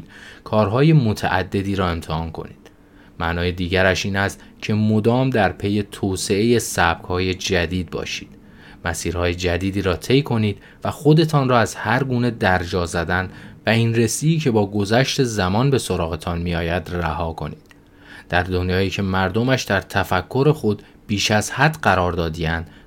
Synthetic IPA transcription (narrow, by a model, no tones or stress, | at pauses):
kʰɒːɾɦɒːje̞mo̞t̪ʰæ̰ʔæ̰d̪ːe̞d̪iːɾɒːe̞mt̪ʰehɒːnkʰo̞̰nḭːd̪̥ | mæ̰ʔnɒːje̞d̪iːɟæɾæʃiːnæst̪ | cʰe̞mod̪ɒːmd̪æɾpʰe̞je̞t̪ʰoːse̞e̞jesæb̥̚kʰhɒːje̞d͡ʒæd̪iːd̪̚bɒ̰ːʃi̥ːd̪̥ | mæsiːɾhɒːje̞d͡ʒæd̪iːd̪iːɾɒːt̪ʰe̞jkʰo̞niːd̪̥ | væxo̞d̪e̞t̪ʰɒːnrɒːæz̥hæɾɡuːne̞d̪æɾd͡ʒɒːzæd̪ænd̪væiːnre̞siːcʰe̞bɒːɡo̞zæʃt̪e̞zæmɒːnbe̞so̞ɾɒːɣe̞t̪ʰɒnmiɒːjæd̪ræhɒːkʰo̞̰niːd̪̥ | d̪̥æɾd̪o̞njɒːiːcʰe̞mæɾd̪omæʃd̪æɾt̪ʰæfækʰːo̞ɾe̞xo̞d̪ | b̥iːʃæz̥hæd̪ɢæɾɒːɾd̪ɒːd̪iænd̪